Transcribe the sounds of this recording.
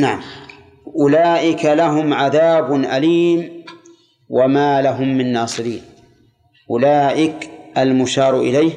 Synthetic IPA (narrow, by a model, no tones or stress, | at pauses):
naʕam | ʔʊlaːʔɪkalaɦʊmʕaðaːbnʔaliːm | wamaːlaɦʊmːɪnːɑːsˤɨɾḭːn | ʔʊlaːʔɪkʔalmʊʃɑːɾˤʔɪlajh